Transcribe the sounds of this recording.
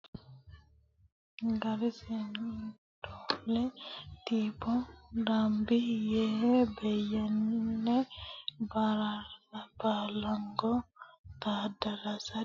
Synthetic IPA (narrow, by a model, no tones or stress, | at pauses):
ɡaɾɛsen | dɔlɛtipɔɾambijɛbɛjɛnːɛbaɾaabalaŋɡɔt̪adaɾasa